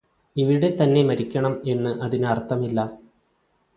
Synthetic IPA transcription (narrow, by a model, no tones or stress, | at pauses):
iʋiɽe̞t̪ɐnːe̞mɐɾikʲːɐɳɐme̞nːɨʔɐðinɨɐrt̪ʰːɐmilːɐ